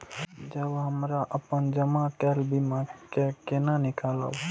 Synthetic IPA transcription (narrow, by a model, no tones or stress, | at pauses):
d͡ʒəbɦəmɾaʔəpənd͡ʒəmakɛlbimãkekenanikalə̰b